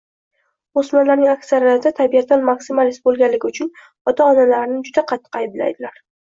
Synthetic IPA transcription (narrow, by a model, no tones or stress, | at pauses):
osmanlaɾnɪŋakʲsaɾijatt̪ʰɪt̪ʰabijat̪ːanmaksɪmalist̪̚bolˠɡʲanlːɪɡʲɪʊt͡ʃʰʊn | ɒt̪ʰaɒnalaɾɪnɪd͡ʒʊd̪aqʰɑt̪ʰːɨ̥qajbla̰jd̪ɪlaɾ